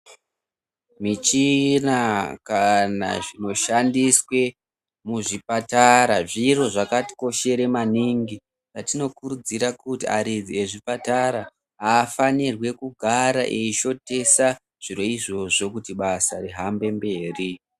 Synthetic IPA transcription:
mit͡ʃinakana̰ʐino̞ʃandiswe̞ | muʐipataɾaʐiro̞ʐakati̥ko̞ʃe̞ɾe̞maniŋɡi | t͡ʃatino̞kuɾud͡ziɾakutiaɾid͡zie̞ʐipataɾa | aːfanirwe̞kuɡʱaɾaʔeiʃo̞te̞sa | ʐ̥iɾo̞iʐo̞ʐo̞kutiɓasariɦambe̞mbe̞ːri

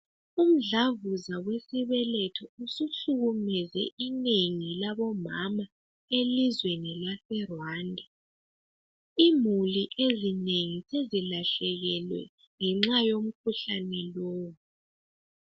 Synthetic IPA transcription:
um̩ɮavuzawesiβɛlɛtʰɔusuɬuɣumɛzɛ̰ʔineŋilaβɔmama | elizwenilafɛrwaːndʱɛ | imuliʔezineŋisezilaɬɛɣɛlwɛ̰ | ŋɛŋ͡ǁajom̩kʰuɬanɛlɔoːwu

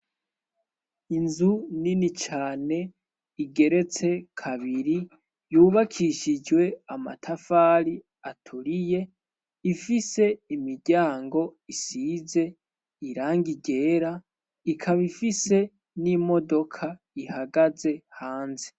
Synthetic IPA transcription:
inzuninit͡ʃaːne̞ | iɡe̞ɾe̞t͡se̞kʰaβiɾi | juːβakʰiʃid͡ʒwe̞ama̰tʰafaːɾi | atʰuɾije̞ | ifise̞imiɾɟaːŋɡo̞isize̞ | iɾaːŋɡiɟe̞ːɾa | ikʰaβifise̞ | nimo̞do̞kʰa | ihaɡaze̞haːnze

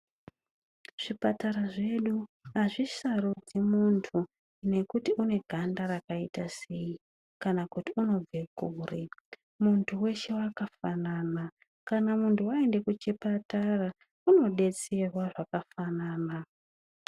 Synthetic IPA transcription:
ʐ̥ipataɾaʐe̞ɗuɦaʐisarud͡zimuntʰu | ne̞kutiune̞ɡʱandaɾakaitase̞ji | kanakutiuno̞b͡ve̞kuːre | muntʰuwe̞ʃe̞wakafanana | kanamuntʰuwaende̞kut͡ʃepatara | uno̞ɗe̞t͡se̞rwaʐakafanaːna

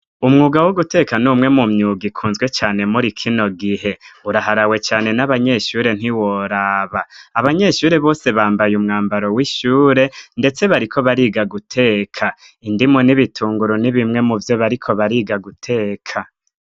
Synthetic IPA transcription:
umŋuːɡawoɡute̞kanumŋe̞mumɲuɡikʰuːnzɡwe̞t͡ʃaːne̞muɾikʰino̞ɡiɦe̞uɾaɦaɾawe̞t͡ʃaːne̞naβaɲe̞ʃuːɾe̞n̥hiwo̞ɾaːβaːβaɲe̞ʃuːɾe̞βo̞ːse̞βaːmbajumŋaːmbaɾo̞wiʃuːɾe̞nde̞t͡se̞βaɾikʰo̞βaɾiːɡaɡutʰe̞ːkʰa | indimo̞niβitʰuːŋɡuɾoniβimŋe̞muvjo̞βaɾikʰo̞βaɾiːɡaɡutʰe̞ːkʰa

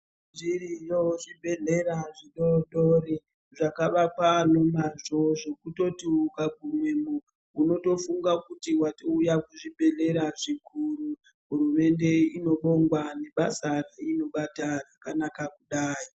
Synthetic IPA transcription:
nʐirijoʐibʱeɮe̞ɾaʐiɗoɗori | ʐakaʋapano̞maʐoʐokuto̞tiukaɡʱumwemu | uno̞to̞fuŋɡakutiwato̞ujakuʐibʱe̞ɮe̞ɾaʐikuru | ɦurume̞nde̞ino̞ɓo̞ŋɡwane̞ɓasaraino̞ɓatarakanakakuɗaːji

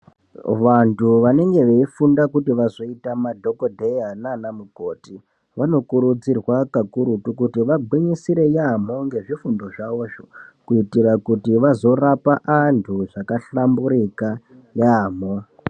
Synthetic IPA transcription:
ʋantuʋane̞ŋɡe̞ʋe̞ifundakutiʋazo̞itamadʱo̞kodʱejananamuko̞ːti | ʋano̞kuɾud͡zirwakakuɾutukutiʋabʱwiɲisiɾe̞jam̤o̞ŋɡe̞ʐifundo̞ʐaʋo̞ːʐokuitirakutiʋazo̞rapaʔantʰuʐakaɬambuɾika | jaːmo̞

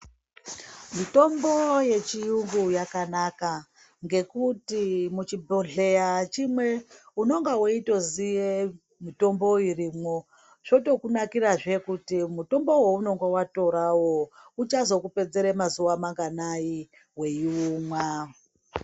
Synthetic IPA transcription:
mito̞mbo̞je̞t͡ʃijuŋɡujakanaka | ŋɡe̞kutimut͡ʃibʱoɮe̞at͡ʃimwe̞uno̞ŋɡawoito̞zije | mito̞mbo̞irimwo̞ | ʐ̥o̞to̞kunakiraʐe̞kutimuto̞mbo̞wouno̞ŋɡawato̞ɾawout͡ʃazo̞kupe̞d͡zeɾemazuwamaŋɡanai | we̞juuːmwa

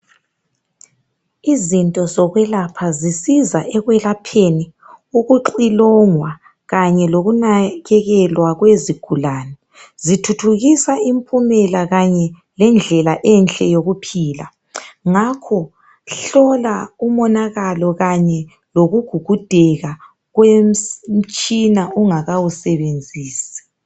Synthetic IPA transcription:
izintʼɔzɔɣwɛlapʰazisizaʔɛɣwɛlapʰeni | uɣuǃilɔŋwa | ɣaɲɛloɣunaɣɛɣɛlwaɣweziɡ̥ʱulanɛ | zitʰutʰuɣisaimpʼʰumɛlaɣaɲɛ | lɛnd͡ɮʱɛlaʔɛnɬʼɛjoɣupʰiːla̰ | ŋakʰɔ | ɬɔlaumɔnaɣalɔɣaɲɛ | loɣuɡ̥ʱuɡ̥ʱud̥ʱɛɣa | ɣwem̩m̩t͡ʃʼinauŋaɣawusɛβend͡zʱiːsi̥

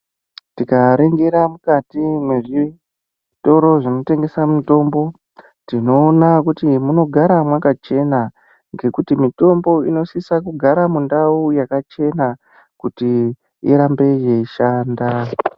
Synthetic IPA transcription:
tikaɾeŋɡeɾamukatimwe̞ʐi | to̞ɾo̞ʐino̞te̞ŋɡe̞samuto̞mbo̞ | tino̞ːnakutimuno̞ɡʱaɾamwakat͡ʃe̞na | ŋɡe̞kutimito̞mbo̞ḭno̞sisakuɡʱaɾamundaujakat͡ʃe̞na | kuti | iɾambe̞je̞iʃaːnda

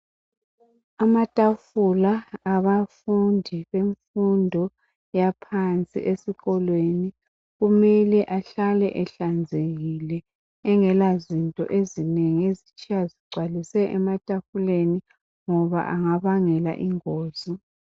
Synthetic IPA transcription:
amatʼafulaːβafundʱiβeɱfundʱɔ | japʰant͡sʼḭʔesiɣɔlweni | ɣumɛlɛʔaɬalɛ̰ʔɛɬand͡zʱeɣilɛː | ŋɛlazintʼɔ̰ʔezineŋiezit͡ʃʼijaziɡ͡ǀʱwalisɛʔɛmatʼafuleni | ŋɔβa̰ʔaŋaβaŋɛla̰ʔiŋoːzi

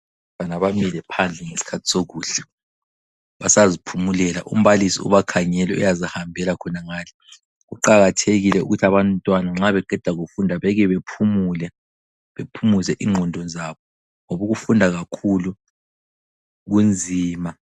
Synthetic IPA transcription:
βanaβamilɛpʰand͡ɮʱɛŋesi̥kʰatʰi̥soɣuːɬɛ̥ | βasazipʰumulɛla̰ʔṵm̩βalisḭṵβakʰaɲɛlɛujazihambʱɛlakʰɔnaŋaːlɛ | ɣuǃaɣatʰeɣilɛṵɣutʰaβantʼwanaŋ͡ǁaβɛɡʱɛd̥ʱaɣufundʱaβɛɣɛβepʰumulɛ | βepʰumuzɛʔiŋ͡ǃʱɔndʱɔnzaβɔ | ŋoβuɣufundʱaɣakʰulu | ɣund͡zʱiːma

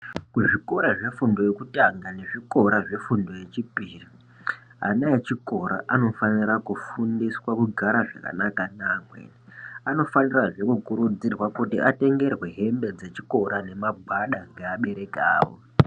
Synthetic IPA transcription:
kuʐiko̞ɾaʐe̞fundo̞jekutaŋɡane̞ʐiko̞ɾaʐe̞fundo̞je̞t͡ʃipiri | ɦa̰naet͡ʃiko̞ɾa̰ʔano̞fanirakufundiswakuɡʱaɾaʐaka̰nakanakwḛ | ano̞faniraʐe̞kukuɾud͡zirwakutiʔate̞ŋɡe̞rwe̞ɦe̞mbe̞d͡ze̞t͡ʃiko̞ɾane̞mabʱaɗaŋɡeaɓe̞ɾe̞ka̰ːwo̰

